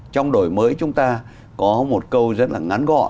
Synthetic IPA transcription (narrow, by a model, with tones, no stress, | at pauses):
t͡ɕɔ˧wŋ͡mɗo˨˩jməː˨˦jt͡ɕʊ˨˦ŋ͡mt̪aː˧ | kɔ˨˦mo˨˩t̚kə˧wzə˦˥t̚laː˨˩ŋa˨˦nɣɔ̰˧˨